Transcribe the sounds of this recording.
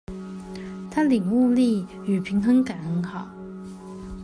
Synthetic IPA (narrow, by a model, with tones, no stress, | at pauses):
t̪ʰa˥li˨˩ŋu˥˧li˥˩ | y˨˩pʰi˧˥ŋt̪ʰɤ˧˥ŋka˨˩nə˧˥ŋxɑ˨˩˦ʊ